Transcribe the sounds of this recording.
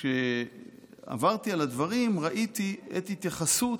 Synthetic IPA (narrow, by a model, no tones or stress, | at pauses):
ʃe | a̰vaʁt̪ialad̪vaʁimʁaʔit̪iet̪it̪jaχasu